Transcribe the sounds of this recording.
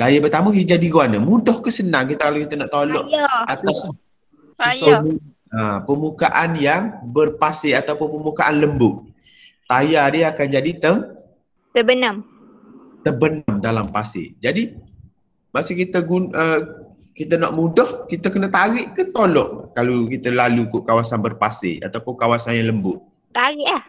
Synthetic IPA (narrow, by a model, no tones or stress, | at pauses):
lajəbət̪aməɦid͡ʒadiɡuanəmudɔhkəsənaŋkit̪əkalokit̪ənɔʔt̪olɔʔat̪a | somi | apəmukaʔanjaŋbərpasɪʔat̪awpʊnpəmukaʔanləmbʊʔ̚ | t̪ajadiakand͡ʒadit̪əŋ | t̪əbənəm | t̪ərbənəmdalampasɪ̰ʔd͡ʒadi | masukit̪əɡunə | kit̪ənɔʔmudɔhkit̪əkənət̪aɣɪʔkət̪olɔʔkalukit̪əlalukʊʔkawasanbərpasɪ̰ʔa̰t̪awpʊnkawasanjaŋləmbʊʔ | t̪aɣɪʔah